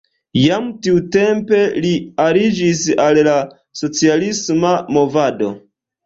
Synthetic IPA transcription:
jamtiute̞mpe̞liaɾid͡ʒisalla | so̞t͡sialismamo̞vado̞̰

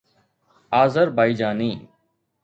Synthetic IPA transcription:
aːzəɾbʱaːiːd͡ʒaːniː

